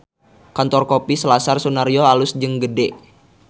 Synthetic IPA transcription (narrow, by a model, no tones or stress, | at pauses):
kant̪ɔrkopisəlasarsunaɾioalusd͡ʒəŋɡədɛʔ